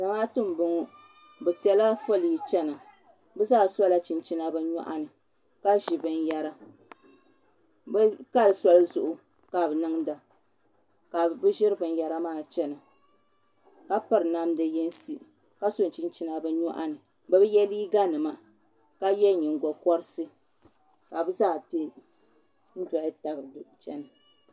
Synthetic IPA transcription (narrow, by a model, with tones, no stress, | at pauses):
da˨maː˦tɨ˦m˨bɨ˨ŋɔ˦ | bɛ˨ti˨ɛ˨˦la˦fo˦li˨i˨t͡ʃɛ˦na˨ | bɛ˦zaː˦sɔ˦la˦t͡ʃi˨nt͡ʃi˦na˦bɨ˦ɲɔ̰˦ʔa̰˦nɨ˨ | ka˦ʒi˨bɨ˦n˦ja˦ɾa˦ | bka˦lɨ˨sɔ˦lɨ˦zʊ˨ʔʊ˨ | ka˨bɨ˨nɨ˦ŋ˦da˨ | ka˨bɨ˦ʒɪ˦ɾɨ˦bɨ˨n˦ja˨ɾa˦maː˦˨t͡ʃɛ˦na˨ | ka˦pa˨ɾɨ˨na˦mdɨ˨jɛ˦n˦si˦ | ka˦so˨n˨t͡ʃi˦n˦t͡ʃi˦na˨bɨ˦ɲɔ˦ʔa̰˦nɨ˨ | bɨ˦bɨ˦jɛ˦liː˦ɡa˦nɨ˨ma˨ | ka˦jɛ˦ɲɪ˨ŋ˨ɡɔ˨kɔ˦ɾɨ˦sɨ˦ | ka˨bɨ˦zaː˦˨pi˦ | n̩˦da˨ʔɪ˦ta˨bɾdɨ˨t͡ʃɛ˦nɨ˨